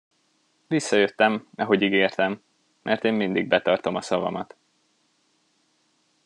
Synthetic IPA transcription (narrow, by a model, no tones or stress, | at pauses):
visːɒjøt̪ːɛmɒɦo̞ɟiɡeːrt̪ɛmː | ʔɛrt̪eːmːind̪iɡ̚bɛt̪ɒrt̪o̞mɒsɒvɒ̰mɒt̪